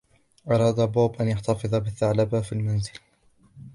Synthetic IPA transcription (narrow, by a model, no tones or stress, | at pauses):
ʔɑɾˤɑːd̪aboːbʔanjaħt̪ɑfɨðˤɑbɪθːaʕlabafilmanzɪl